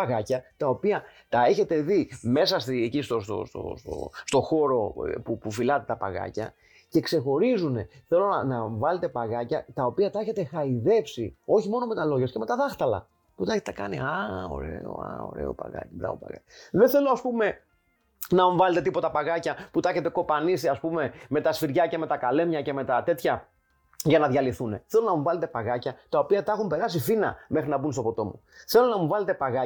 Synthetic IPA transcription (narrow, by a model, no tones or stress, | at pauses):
ɐɣɐcɐt̪ɐo̞piɐt̪ɐe̞çe̞t̪e̞ðime̞sɐsiecist̪ost̪o̰st̪o̰st̪o̰st̪o̞xo̞ɾo̞pupufilɐt̪e̞t̪ɐpɐɣɐ̰cɐ̰ | ce̞kse̞xo̞ɾizune̞θe̞lo̞nɐnɐɱvɐle̞t̪e̞pɐɣɐcɐt̪ɐopiɐt̪ɐe̞çe̞t̪e̞xɐiðe̞psio̞çimo̞no̞me̞t̪ɐlo̞ʝɐsceme̞t̪ɐðɐxt̪ɐlɐ̰ | put̪ɐeçet̪et̪ɐkɐnḭɐo̰ɾḛo̰ɐ̰o̰ɾḛo̰pa̰ɣɐ̰cibɾɐ̰vo̞̰pɐ̰ɣɐ̰cðeθelo̞ɐspume̞ | nɐmuvɐle̞t̪e̞t̪̬ipo̞t̪ɐpɐɣɐcɐput̪ɐeçe̞t̪e̞ko̞pɐnisiɐspume̞me̞t̪ɐsfiɾʝɐce̞me̞t̪ɐkɐle̞mɲɐce̞me̞t̪ɐt̪e̞t̪çɐ | ʝɐnɐðʝɐliθune̞θe̞lo̞nɐmuvɐle̞t̪̬e̞pɐɣɐcɐt̪ɐo̞piɐt̪ɐxumpe̞ɾɐsifinɐ̰mexɾinɐbunst̪o̞po̞t̪o̞muθe̞lo̞nɐmuvɐle̞t̪e̞paɣɐ